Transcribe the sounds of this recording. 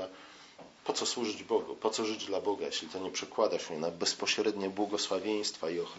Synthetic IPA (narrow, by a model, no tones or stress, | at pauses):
a | pɔt̪sɔswuʐɘd͡ʑbɔɡṵpɔt̪sɔʐɘd͡ʑd̪labɔɡajeɕlʲit̪ɔɲɛpʂɛkwad̪aɕɛnabɛspɔɕɾɛd̪ɲɛbwɔɡɔswavʲjej̃st̪faiɔxɾ